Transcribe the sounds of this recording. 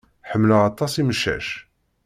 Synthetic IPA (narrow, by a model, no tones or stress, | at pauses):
ħəmːləʁɑt̪ˤːɑsiməʃːæ̰ʃ